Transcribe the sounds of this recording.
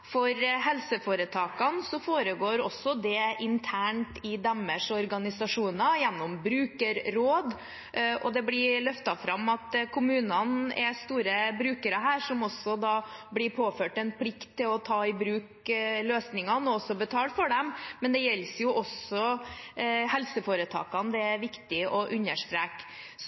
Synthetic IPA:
fɔɾɦɛlsəfoːɾət̪ʰɑːkɑnsɔfoːɾəɡoːɾɔsːɔd̪ɛɪnt̪ʰæːɳʈɪd̪ɑmːəʂɔɾɡɑnɪsɑʂuːnɑjɛnːɔmbɾʉːkəɾɾoːd̪ | ɔ̰d̪ɛblɪlœft̪ɑfɾɑmːɑt̪kʰʊmʉːnɑnɛst̪uːɾəbɾʉːkəɾəɦæːɾʂɔmɔsːɔd̪ɑblɪɾpʰoːføːʈɛnpʰlɪkt̪ʰːɪlɔt̪ʰɑːɪbɾʉːk | løːsnɪŋɑnɔɔsɔbət̪ʰɑːlfɔɖɛmmɛnd̪ɛjɛlsjʊʔɔsɔ | hɛlsəfoːɾət̪ʰɑ̰ːkɑnd̪ɛæɾʋɪkt̪ɪɔʔʉnəʂʈ̪ɾɛːk | s

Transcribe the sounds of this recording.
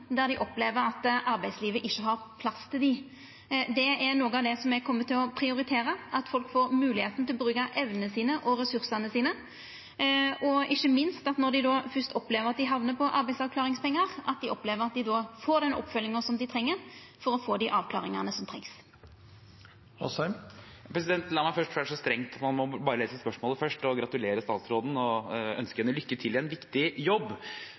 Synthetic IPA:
d̪æʁd̪ɪʔɔpleːʋəɾɑt̪ʔɑɾbæɪd̪sliːʋəʔɪçːəɦɑɾpʰlɑst̪ʰɪld̪ɪ | d̪ɛæɾnuːɡəɑːʋd̪ɛsɔmɛɡkʰɔmːət̪ʰɪlɔpʰɾɪʊɾɪt̪ʰeːɾəɑt̪fɔlkfoːɾmʉːlɪheːt̪n̩t̪ɪlɔbɾʉːkɑʔɛʋnənəsiːnəʔɔɾɛsʉɾsɑnəsiːnə | ɔʔɪçːəmɪnst̪ɑt̪nɔʁd̪ɪd̪oːfœst̪ɔpleːʋəɾʁɑt̪̚d̪ɪɦɑʋnəpʰɔʔɑɾbæɪsɑʋklɑːʁɪŋspʰɛŋːəʁɑt̪̚d̪ɪʔɔpleːʋəɾʁɑt̪̚d̪ɪd̪oːfoːd̪ɛnʔɔ̰pfœlːɪŋəsɔmd̪ɪt̪ʰʁɛŋːəɾ | fɔɾɔfoːd̪ɪʔɑːʋkʰlɑ̰ːʁɪŋɑnəsɔmt̪ʰɛ̰ŋs | hɔ̰sæm | pʰɾɛs̬ɪd̪ɛnt̪lɑːmæɪfœʂʈfœʂɔst̪ɾɛŋt̪ɑt̪mɑnmɔbɑːɾəleːsəspœʂmoːləfœʂʈɔɡɾɑt̪ʉleːɾəst̪ɑːt̪sɾoːd̪n̩ɔœnskəɛnːəlʏkːət̪ʰɪlɛnʋɪkt̪ɪjɔbː

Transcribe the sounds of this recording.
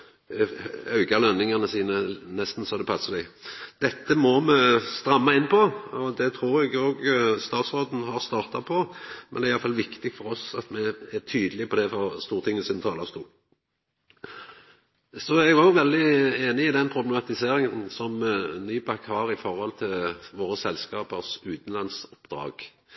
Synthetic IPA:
ɑʉɡɑlœnːɪŋɑnəsiːnənɛst̪n̩sɔd̪ɛpʰɑsːɑd̪ɛɪd̪̥ɛt̪ːəmɔmɛst̪ɾɑmːɑɪnːpʰɔɔd̪ɛt̪ʰɾuːɾɛɡoːɡst̪ɑːt̪sʁoːd̪n̩hɑʁst̪ɑːʁt̪ɑpʰɔmɛnɛɾɪɑləfɑlʋɪkt̪ɪɡfɔɾɔsɑt̪mɛæt̪ʰyːd̪əlɪpʰɔd̪ɛfɔʁst̪uːɾət̪ʰɪŋːn̩sinət̪ʰɑːləst̪ʰuː | sɔɛɡʊʋɛld̪ɪeːnɪɪd̪ɛnpʰɾʊblɛmɑt̪ɪseːɾɪŋənsɔmnyːpʰɑkhɑɾɪfɔɾhɔlt̪ʰɪlʋoːɾəsɛlːskɑːpəɾsʉːt̪n̩lɑnsʊpd̪ɾɑ̰ːɡ̥

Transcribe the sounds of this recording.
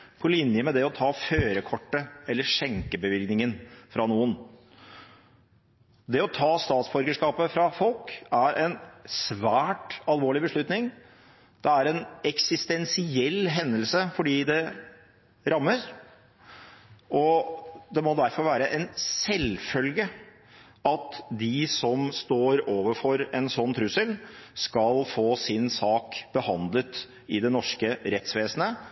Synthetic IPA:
pʰɔlɪnjəmɛd̪ɛɔt̪ʰɑːføːɾəkʰɔʈːəɛlːəʂɛŋkəbəʋɪlɡnɪŋənfɾɑnuːən | d̪ɛɔt̪ʰɑːst̪ɑːt̪sbɔɾɡəʂkɑːpəfɾɑfɔlkæɾʔɛnsʋæːʈɑlʋoːɭɪbəʂɭʉt̪nɪŋ | d̪̥ɛæɾɛnɛksɪst̪ɛnsɪɛlɦɛnd̪əlsəfɔɖiːd̪ɛ | ɾɑmːəɾ | ʔɔd̪ɛmɔd̪æɾfɔɾʋæːɾəʔɛnsɛlfœlɡə | ɑt̪d̪ɪsɔmst̪oːɾoːʋəɾfɔɾɛnsɔnːt̪ʰɾʉsəlskɑlfoːsɪnsɑːkb̥əhɑnd̪lət̪ | ɪd̪ɛnɔʂkəɾɛt̪sʋeːsənə

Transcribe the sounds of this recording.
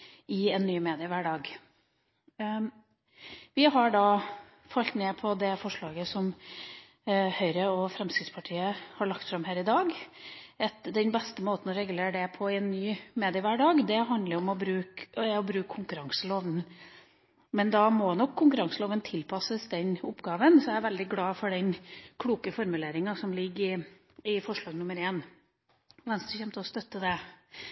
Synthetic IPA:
ɪɛnːyːmeːd̪ɪəʋæɖɑːɡ | ʋɪɦɑɖɑ | fɑlt̪neːpʰɔd̪ɛfɔʂɭɑːɡəsɔm | hœʏɾəɔfɾɛmskɾɪt̪spʰɑʈʰiːəhɑɭɑk̚t̪fɾɑmɦæːɾɪd̪ɑːɡ | ɛt̪d̪ɛnbɛst̪əmoːt̪n̩ɔɾɛɡʉleːɾɖɛpʰɔɪɛnːyːmeːd̪ɪəʋæɖɑːɡd̪ɛɦɑnd̪ləɾɔmɔbɾʉːkɔbɾʉːkʰːʊŋkʉɾɑŋsəloːʋnn̩ | mɛnd̪ɑmɔnɔkʰːʊŋkʉɾɑŋsəloːʋənt̪ʰɪlpʰɑsəsd̪ɛnʊpːɡɑːʋənsɔææɾʋæld̪ɪɡlɑːfɔɖɛnkʰluːkəfɔɾmʉleːɾɪŋɑsɔmlɪɡːɪ | ɪfɔʂɭɑːɡnʊməɾeːn | ʋɛnst̪əçɛmt̪əɔst̪œt̪ːəd̪ɛ

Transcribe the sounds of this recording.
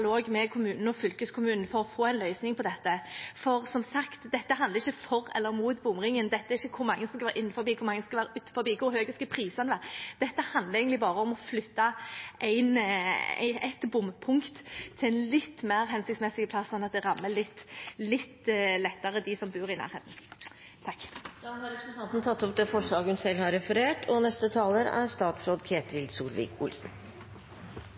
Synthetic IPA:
loːɡmɛkʰʊmʉːnn̩əɔfʏlkəskʰʊmʉːnn̩fɔɾɔfoːæɪnlœʏsnɪŋpʰɔd̪ɛt̪ːəfɔɾsɔmsɑkt̪d̪ɛt̪ːəɦɑnd̪əʁɪçəfɔɾɛ̰lːəɾmuːt̪bʊmɾɪŋənd̪ɛt̪ːəæɾɪçːəkʰʊɾmɑŋːəsɔskɑʋæːɾʔɪnːn̩fɔɾbiːkʰʊɾmɑŋːəsɔkɑʋæːɾəʉːt̪fɔɾbiːkʰʊɾhøːɡəskɑpʰɾiːsɑnəʋæːɾd̪̥ɛt̪ːəhɑnd̪ləɾæɪɡnɪbɑːɾəɔmɔflʏt̪ːɑʔæɪn̰ | ɛt̪bʊmpʰʊŋkt̪ʰːɪæɪnlɪt̪ːmeːɾɦɛnsɪkt̪smɛsɪɡəpʰlɑsːɔnːɑt̪̚d̪ɛʁɑmːəlɪt̪ːlɪt̪ːlɛt̪ːɑʁəd̪ɪsɔmbʉːʁɪnæ̰ːɾeːt̪n̩ | t̪ʰɑkːd̪ɑhɑɾɛpɾsət̪ɑnt̪n̩t̪ʰɑt̪ːɔp̚d̪ɛfɔʂɭɑːɡəʉnsɛlhɑɾɛfəɾeːʈʰɔnɛst̪ət̪ʰɑːləɾæ̰ɾst̪ɑːt̪sɾoːd̪kʰeːt̪ɾɪld̪suːlʋḭːkʊ̰lsn

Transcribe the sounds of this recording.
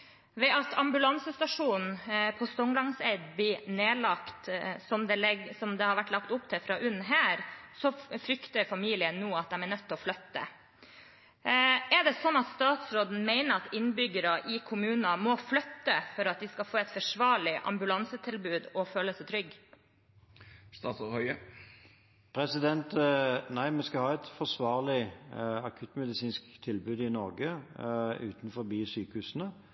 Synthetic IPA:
ʋɛɑt̪ʰɑmbʉlɑnsəst̪ɑʂuːn̩pʰɔst̪ɔŋlɑŋsɛɪd̪blɪneːlɑkt̪sɔmd̪ɛlɛsɔmd̪ɛhɑɾʋæʈːlɑkt̪ʊpt̪ʰɪfɾɑːʔʉnːɦæːɾsɔfɾʏkt̪əɾfɑmiːlɪənːuːɑt̪̚d̪ɛmænœt̪ʰːɔflœt̪ːə̰ | ɛɖɛsɔnːɑt̪st̪ɑːt̪sɾoːd̪n̩meɪnəɾɑt̪ɪnːbʏɡəɾɑʔɪkʰʊmʉːnɑmɔflœt̪ːəfɔɾɑt̪̚d̪ɪskɑfoːɛt̪fœʂʋɑːɭɪʔɑ̰mbʉlɑnsət̪ʰɪlbʉːd̪ɔføːləsɛt̪ʰɾʏɡ | st̪ɑt̪shœʏə | pʰʁɛsɪd̪ɛnt̪næɪmɛnskɑhɑːɛt̪fɔʁsʋɑːʁlɪɑkʰʉt̪mɛd̪ɪsiːnskt̪ʰɪlbʉːd̪ɪnɔʁɡə | ʉ̰ːt̪nfɔʁbiːsyːkəhʉːsən̩ə

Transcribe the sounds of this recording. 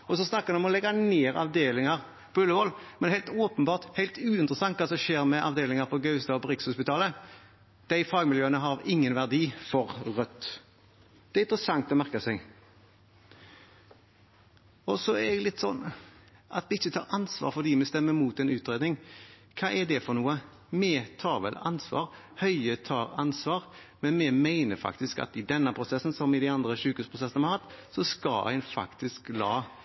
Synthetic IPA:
ɔsɔsnɑkːəɾɛɔmɔlɛɡɑneːɾɑ̰ʋd̪eːlɪŋəɾ | pʰɔʏlːəʋɔlmɛnhæɪlt̪oːpənbɑːʁt̪hæɪlt̪ʉːɪnt̪ɾəsɑŋt̪kɑːsɔmʃeːɾmɛʔɑʋd̪eːlɪŋəɾpʰɔɡœʉst̪ɑɔbʁɪkshʊspɪt̪ʰɑːlə | d̪̥æɪfɑːɡmɪljøːənəɦɑɾɪŋːənʋæʁd̪iːfɔɾʁœt̪ː | d̪̥ɛæɾɪnt̪ɾəsɑŋt̪ɔmæʁkɑsɛɡ | ɔsɔɛdɛlɪt̪ːsɔnːʔɑ̰t̪mɛɪçːət̪ʰɑːɾɑnsʋɑ̰ːɾfɔʁd̪iːmɛst̪ɛmːəɾmuːt̪ɛnʉːt̪ɾeːd̪nɪŋkʰɑːʔɛd̪ɛfɔnuːə | mɛt̪ʰɑːɾʋɛ̰lɑnsʋɑ̰ːɾ | hœʏət̪ʰɑːɾɑnsʋɑːɾ | mɛnmɛmæɪnəɾfɑ̰kt̪ɪskɑ̰t̪ɪd̪ɛnːɑpʰɾʊsɛsːn̩sɔmɪd̪æɪɑnd̪ɾəʃʉːkʉːspʰɾʊsɛsənəmhɑɾhɑt̪ːsɔskɑlæ̰ɪnfɑ̰kt̪ɪsklɑː

